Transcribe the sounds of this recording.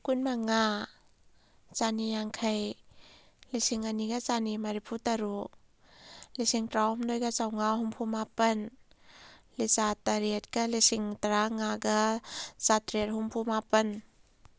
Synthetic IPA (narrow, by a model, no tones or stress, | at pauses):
kunmaŋa | t͡ʃanijaŋkʰɐj | lisiŋaniɡɐt͡ʃanimɐɾipʰutɐɾu | lisiŋtɾawumdojɡat͡ʃawŋahumpʰumapɐn | lit͡ʃataɾet̚kɐlisiŋtɐɾaŋaɡɐt͡ʃatɾet̚humpʰumapɐn